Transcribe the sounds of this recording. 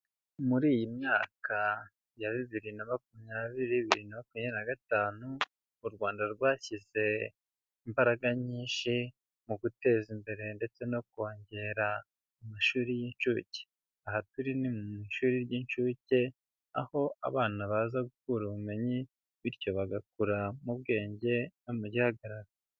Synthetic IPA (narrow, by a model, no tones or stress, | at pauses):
muɾiːjimɲaːka | jaβiβiɾinamakumɲaːβiɾiβiɾinamakumɲenaɡataːnuː | ɾɡwaːndaɾɡwaːçize̞ | imbaɾaɡaɲiːnʃi | muɡute̞ːzimbe̞ɾe̞nde̞t͡se̞no̞k̚o̞ːɲɟe̞ɾa | umaʃuːɾijint͡ʃuːce̥ | ahatuɾinimuiʃuːɾiɾɟint͡ʃuːce̞ | a̰ho̞ʔa̰βaːnaβaːzaɡukuɾuβume̞ɲi | βiɾjo̞βaɡakuɾamuβɡe̞ːɲɟe̞nomuɟihaɡaɾaɡa